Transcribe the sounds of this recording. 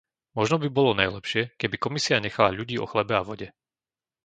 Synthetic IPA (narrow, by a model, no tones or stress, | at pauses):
mɔʒnɔbibɔlɔnajlɛpʃɪɛkɛbikɔmisiaɲɛxalaʎuɟiːɔ̰xlɛbɛaʋɔɟɛ